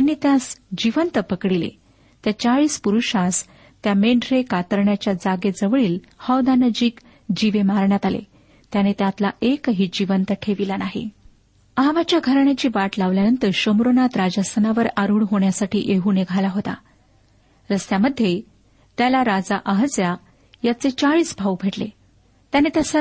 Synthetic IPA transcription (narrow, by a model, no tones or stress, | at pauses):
j̪janːiːt̪jasd͡ʑiʋənt̪əpəkɽilḛ | t̪jat͡saɭiːspuɾuʂas | t̪jameɳɖɾekat̪əɾɳjat͡ɕjad͡zaɡed͡zəʋɭiːlhəwd̪anəd͡ʑiːk | d͡ʑiʋemaɾɳjat̪alḛ | t̪janeːt̪jat̪laʔekəɦiːd͡ʑiʋənt̪əʈʰeʋilanaɦḛ | əɦaʋat͡ɕjaɡʱəɾɳjat͡ɕiːʋaʈlaʋljanənt̪əɾɕəmɾonat̪ɾad͡ʑəsənaʋəɾaɾuːɳɦoɳjasaʈʰḭːʔeɦuːneɡʱalaɦot̪a̰ | ɾəst̪jaməd̪ʱːje | t̪jalaɾad͡zaʔəɦd͡zja | jat͡set͡saɭiːsbʱaubʱeʈle | t̪janet̪jasə